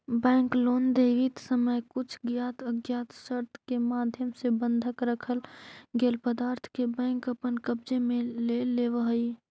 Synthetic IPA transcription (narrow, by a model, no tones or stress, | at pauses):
bɛ̃ːŋkloːnd̪eʋit̪səməjkʊt͡ʃʰɡjaːt̪ʰəɡjaːt̪ʃəɾt̪ʰkemaːd̪ʱjəmsebə̃nd̪ʱəkɾəkʰəlɡeːlpəd̪aːɾt̪ʰkebɛ̃ːŋkəpənkəbd͡ʒemẽleleʋəɦəi